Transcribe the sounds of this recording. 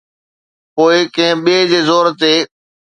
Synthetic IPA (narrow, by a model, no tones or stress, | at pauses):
poːɪkɐ̃ɦɪ̃ɓieːd͡ʑeːzoːɾt̪eː